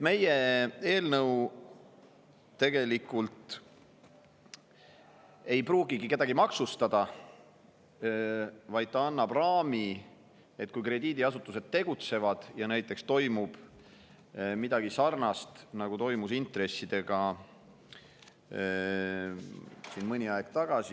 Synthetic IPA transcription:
et̪me̞jee̞ːlnɤw | e̞ɡe̞likːˑult̪ | e̞jpruːɡiɡike̞d̪̥ɑɡ̥imɑksust̪ɑd̪̥ɑ | vɑjd̪̥̚t̪ɑɑnːɑb̥rɑːmi | e̞t̪̚kujkre̞d̪iːd̪iɑsut̪ːˑuse̞d̪̥̚t̪ːe̞ɡ̥ut̪se̞vɑd̪̥jɑnæjt̪ːˑe̞kst̪o̞jmub̥ | mid̪̥ɑɡ̥isɑrnɑst̪nɑɡ̥ut̪o̞jmusint̪re̞sːid̪̥e̞ɡ̥ɑ | sinmɤnʲiɑeɡ̥̚t̪ɑɡ̥ɑsi

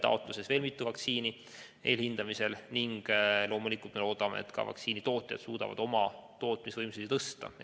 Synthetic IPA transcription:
t̪ɑ̰o̞t̪ˑluse̞sve̞ːlmit̪ːuvɑksiːni | e̞ːlhind̪̥ɑmise̞lniŋɡ̥lo̞ːmulikˑult̪me̞lo̞ːd̪ɑme̞̰ḛt̪kɑ̰vɑ̰ksiːnit̪o̞ːt̪ˑjɑ̰d̪̥suːd̪̥ɑ̰vɑ̰d̪̥o̞mɑt̪o̞ːt̪misvɤjmsid̪t̪ɤst̪ɑ̰

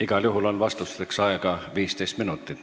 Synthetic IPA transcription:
iɡ̥ɑljuɦulo̞nvɑst̪ust̪eksɑeɡɑviːst̪ejst̪minut̪ːˑit̪

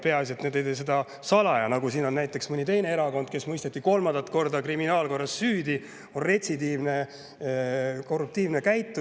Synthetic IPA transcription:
pe̞ɑs̬iet̪ːned̪ejt̪ejs̬e̞d̪ɑ | sɑlɑjɑnɑɡusiːno̞nːæjt̪ːˑe̞ksmɯnʲit̪e̞jne̞eɾɑko̞nd̪̥ke̞smɤjst̪et̪ːiko̞lmɑnd̪ɑt̪ko̞rd̪ɑkriminɑːlko̞rːɑsːyːd̪i | onre̞t̪ʲsid̪iːvne | ko̞rːup̚t̪iːvne̞kæjt̪ˑːu

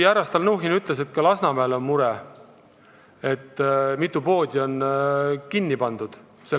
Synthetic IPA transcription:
æɾɑst̪ɑlnɤwɦinyt̪ˑles̬e̞t̪̚ːˑkɑlɑsnɑmæːlo̞nmuɾe | e̞t̪ːˑmit̪ːˑupo̞ːd̪̥ʲio̞nkinʲːipɑnd̪̥ud̪̥ | se

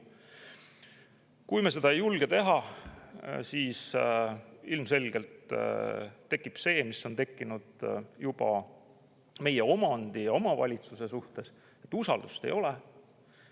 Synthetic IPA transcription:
kujmese̞d̪̥ɑejulɡ̥e̞t̪e̞ɦɑ | siːs | ilmse̞lɡe̞lt̪ː | e̞kːˑipse̞ːmiso̞nt̪e̞kːinud̪̥jub̥ɑ̰ | me̞je̞o̞mɑnd̪̥ijɑo̞mɑvɑ̰lʲit̪suse̞suht̪e̞s | et̪ːˑusɑ̰ld̪̥ust̪e̞̰jo̞le

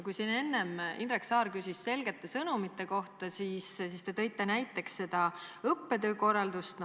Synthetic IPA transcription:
kujsinːe̞nːe̞mḭnrɾeksɑːɾkysʲisse̞lɡ̥e̞t̪ˑːe̞sɤnumit̪ːˑe̞ko̞ht̪ɑsiːssiːst̪et̪ɤ̞jt̪ːˑɑnæjt̪ːˑe̞ksːe̞d̪̥ɑɤpːe̞t̪ø̞ːko̞rːɑld̪ust̪n

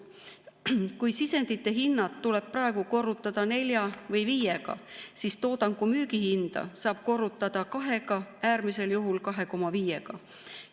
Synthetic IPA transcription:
kujsise̞nd̪̥it̪ːˑe̞ɦinːɑt̪ːule̞b̥̚prɑe̞ɡ̥uko̞rːut̪ːˑɑd̪̥ɑne̞lʲjɑvɤjviːjeɡ̥ɑ̰siːst̪o̞ːd̪̥ɑŋkumyːɡihind̪̥ɑ̰sɑːb̥̚ko̞rːut̪ːˑɑd̪̥ɑkɑɦe̞ɡ̥ɑæːɾmise̞ljuɦulkɑɦe̞ko̞mɑviːje̞ɡ̥ɑ

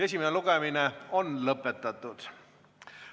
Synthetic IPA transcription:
e̞s̬ʲimeneluɡ̥emineo̞nlɤpːˑet̪ːˑɑt̪ːˑud̪̥

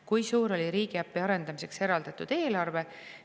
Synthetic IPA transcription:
kujsuːɾo̞lʲiɾiːɡ̥iæpːˑiɑɾe̞nd̪̥ɑmise̞kse̞ɾɑld̪̥ɑt̪ːˑud̪̥e̞ːlɑrve̞

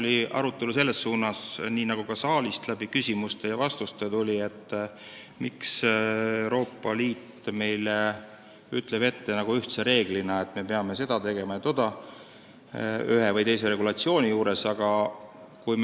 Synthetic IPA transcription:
lʲiʔɑ̰ɾut̪ːˑe̞luse̞lːe̞sːuːnɑsniːnɑɡ̥ukɑsɑːlist̪læb̥ikysʲimust̪e̞jɑvɑst̪ust̪e̞t̪ulʲie̞t̪ˑː | miksewɾo̞ːpːˑɑliːt̪ːme̞jle | yt̪ˑle̞b̥e̞t̪ːe̞nɑɡ̥uyht̪seɾe̞ːɡlinɑe̞t̪ːˑme̞pe̞ɑme̞se̞d̪̥ɑt̪e̞ɡ̥e̞mɑjet̪o̞d̪̥ɑ | yɦevɯjt̪e̞js̬e̞ɾe̞ɡulɑt̪sio̞ːnʲijuːɾe̞sɑɡ̥ɑ | kujm

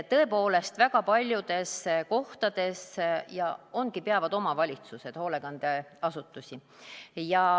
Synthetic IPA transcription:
t̪ɤ̞e̞po̞ːle̞st̪væɡ̥ɑpɑlʲjud̪̥e̞sko̞ht̪ɑd̪̥e̞sjɑo̞nɡ̥ipeɑvɑd̪̥o̞mɑvɑlʲit̪suse̞d̪̥ho̞le̞ɡ̥ɑnd̪eɑsut̪ːˑusʲi | jɑ

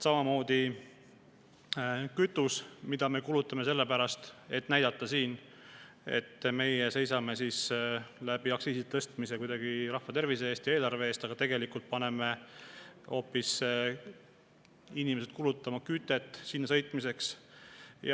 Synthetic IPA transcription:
sɑmɑmo̞ːd̪̥i | kyt̪ːˑusmid̪ɑme̞kulut̪ːˑɑme̞se̞lːepæɾɑst̪e̞t̪ːˑnæjd̪ɑt̪ˑːɑsiːn | e̞̰t̪ːme̞jese̞jsɑme̞sislæbiɑksiːsit̪ɤst̪mise̞kujd̪̥ɑɡ̥iɾɑhvɑt̪e̞rvisee̞ːst̪jɑe̞ːlɑɾve̞eːst̪ɑɡ̥ɑt̪e̞ɡ̥elikult̪̚pɑne̞me̞ | o̞ːpːis | inime̞sed̪̥̚kulut̪ːˑɑmɑkyt̪ːˑe̞t̪ːˑsinːɑsɤ̞jt̪ˑmise̞ks | j

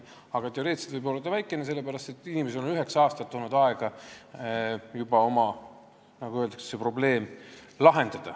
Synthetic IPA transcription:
ɑɡ̥ɑt̪e̞o̞ɾe̞ːt̪se̥d̪vɯjbo̞lːɑd̪ɑvæjkˑːe̞nese̞lːe̥æɾɑst̪e̞t̪ːˑinime̞s̬eonyɦeksɑːst̪ɑt̪ːoːnud̪ɑeɡ̥ɑ | jubɑo̞mɑ | nɑɡ̥uø̞ld̪ɑkssepro̞ble̞ːm | lɑɦe̞nd̪̥ɑd̪̥ɑ

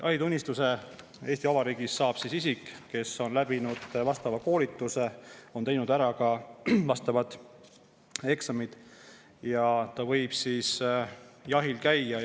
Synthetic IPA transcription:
ʔɑjt̪unʲːist̪use̞ | e̞ːst̪iɑvɑɾiːɡ̥isːɑːb̥sisisikːe̞so̞nlæb̥inud̪̥vɑst̪ɑvɑko̞ːlit̪ːˑuse̞o̞nt̪e̞jnud̪æɾɑkɑvɑst̪ɑvɑd̪̥ | e̞ksɑmid̪̥ | jɑt̪ɑvɤ̞jb̥sis | jɑɦilkæjːɑ

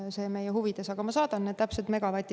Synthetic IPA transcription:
se̞ːme̞jeɦhuvid̪̥e̞sɑɡ̥ɑmɑsɑːd̪̥ɑnːed̪t̪æpset̪me̞ɡ̥ɑvɑt̪ʲːi

